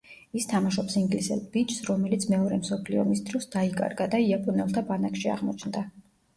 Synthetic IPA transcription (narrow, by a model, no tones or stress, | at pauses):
ist̪ʰamaʃɔpsiŋɡlisɛ̰lˠbit͡ʃʰsɾɔmɛlit̪sʰmɛɔɾɛmsɔpʰliɔ̰mist̪ʰɾɔsd̪̥aikʼa̰ɾɡad̪aiapʼɔnɛlˠt̪ʰabanakʃia̰ʁmɔt͡ʃʰnd̪a